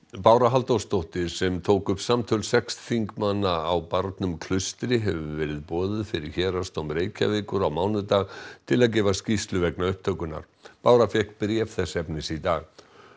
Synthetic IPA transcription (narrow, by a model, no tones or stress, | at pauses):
paːwɾaɦalt̪owst̪oht̪ɪsɛmt̪ʰoːwkʏpsamt̪ʰœlsɛkst̪fiŋkmanːaawpaɾt̪nʏmkʰl̥ʏst̪ɾɪɦɛvʏvɛːɾɪðpɔːðʏðfɪɾɪɾ̥çɛːɾast̪ɔmɾeːjca̰veːkʏɾawmaːwnʏt̪aːɣt̪ʰɪlaðc̬ɛːvascist̪lʏvɛknaʏhpt̪ʰœkʏnːa̰ɾ̥pawɾafjɛhkpɾjɛfθɛsːɛpnɪsit̪aːɣ